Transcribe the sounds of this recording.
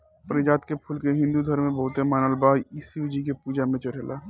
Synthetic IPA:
pəɾɪd͡ʒaːt̪kepʰulkeɦɪ̃nd̪ud̪ʱəɾmẽbəɦʊt̪emaːnəlbaːiːsiud͡ʒik̬epuːd͡ʒamẽt͡ʃəɾelaː

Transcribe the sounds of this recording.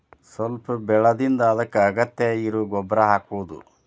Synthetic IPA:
sɐlpubɛɭɐd̪ind̪ɐːd̪ɐkːɐːɡɐt̪jɐiɾuːɡɔbɾɐɦaːkuʋud̪ṵ

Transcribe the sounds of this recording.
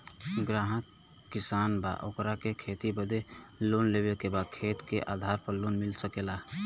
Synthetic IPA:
ɡɾaːɦət̪ | kɪsaːnba̰ʔokɾakekʰeːt̪ibəd̪e | lonlebekebad̪̚kʰeːt̪keʔaːd̪ʱaːɾpəɾloːnmɪlsəkela

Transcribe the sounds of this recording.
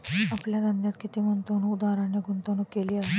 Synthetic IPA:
ɐpljad̪ɐnd̪jat̪kɪt̪emʊnt̪õnũʊd̪aːɾãneɡʊnt̪ãnũkeːliaɦe

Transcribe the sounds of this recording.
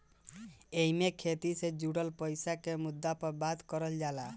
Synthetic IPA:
eimekʰet̪ised͡ʒuɽəlpəjsakemud̪ːapəɾbad̪kəɾəld͡ʒala

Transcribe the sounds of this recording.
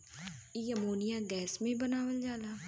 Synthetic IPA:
ijəmoːnɪjaɡɛːsmẽbənaːʋəld͡ʒaːlaː

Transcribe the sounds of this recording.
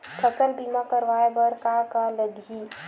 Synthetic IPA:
k̪ʰəsəlbiːmakəɾʋaːebəɾkakaləd̪ʱi

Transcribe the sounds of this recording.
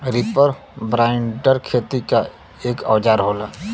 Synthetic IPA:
ɾipəɾ | bɾaːɪɳɖəɾkʰeːt̪ika | eːkaːd͡ʒaːɾɦoːlaː

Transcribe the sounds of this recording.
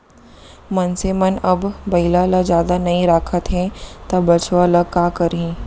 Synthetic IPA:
mɐnsemɐnɐbbɐɦilalad͡ʒjaːd̪anɐĩɾaːkʰət̪ɦɛ̃t̪abɐt͡ʃʰʋaləkaːkɐɾĩː

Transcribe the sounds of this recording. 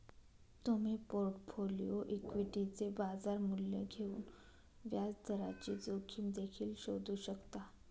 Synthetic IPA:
t̪um̤iːpoɾʈfolḭjoʔikʋiʈit͡sebad͡zaɾmuljḛɡʱeṵːn | ʋjad͡zd̪ʱəɾa̰t͡ɕid͡zokʰiːmd̪ekʰiːlɕod̪uːɕəkt̪a

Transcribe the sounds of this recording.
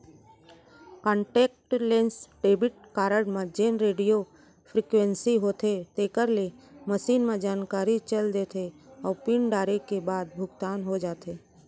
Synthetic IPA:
kɔ̃ːɳʈeːk̚ʈlẽːnsɖeːbɪʈ̚kaːɾəɽmẽd͡ʒeːnɾeːɖijo | pʰɾikwẽnsiɦoːt̪ʰet̪eːkəɾleməʃiːnmẽd͡ʒaːnkaːɾit͡ʃəld̪eːt̪ʰeɔːɾpɪɳɖaːɾekebaːd̪̚bʱʊɡt̪aːnɦod͡ʒaːt̪eː

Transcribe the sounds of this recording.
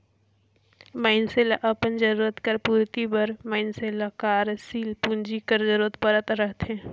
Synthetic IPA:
maɪnseːlaʔɐpənd͡ʒəɾuːɾət̪kəɾpuːɾt̪ibəɾməɪnselakaːɾsiːlpũnd͡ʒikəɾd͡ʒəɾuːɾət̪̚pəɾət̪ɾəɦt̪ɦɛ̃ː

